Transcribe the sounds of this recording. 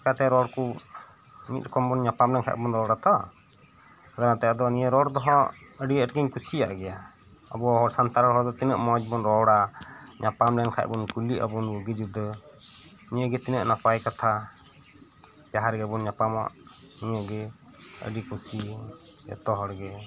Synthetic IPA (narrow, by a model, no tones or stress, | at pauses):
kat̪ɛaɾɔɽkɔ | mḭt̪̚kɔmbɔnɲapamlɛnkʰa̰ʔbɔnɾɔwɽat̪ɔ | ad̪anat̪ɛjad̪ɔniəɾɔɽd̪ɔɦɔ̃əɖiəʈ̚ɡiɲkusija̰ʔɡɛja | ə̰bɔɦɔɽsant̪aɾaɦɔɾd̪ɔt̪inəʔmɔd͡ʒbɔnɾɔɽaɲapamlɛnkʰa̰ʔ̚bɔnkuliʔə̰bɔnjuɡid͡ʒud̪ɔ | nijəɡɛt̪inəʔnapajkat̪ʰa | d͡ʒaɦaɾɡɛbɔnɲapama̰ʔ | niɲəɡɛ | ə̰ɖikusiɛ̰t̪ɔɦɔɽɡɛ